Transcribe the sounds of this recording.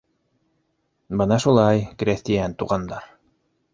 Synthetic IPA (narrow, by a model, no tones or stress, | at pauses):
bɤnɑʃulˠɑjkɾʲeθt̪ijænt̪uʁɑnd̪ɑɾ